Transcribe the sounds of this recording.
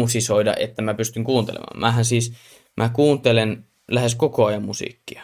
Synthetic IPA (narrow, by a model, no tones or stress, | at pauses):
usisoˑidɑ̰ʔḛt̪ːæmæpyst̪yŋkuːnt̪ḛlḛmɑ̰mmʔæhænsiːs | mʔækuːnt̪elen | læheskokoɑjɑmmusḭˑkːiɑ